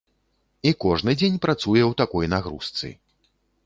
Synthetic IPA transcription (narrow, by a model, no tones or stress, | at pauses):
ikɔʐnɨd͡zʲenʲpɾat̪sujɛwt̪akɔjnaɣɾṵst̪sɨ̰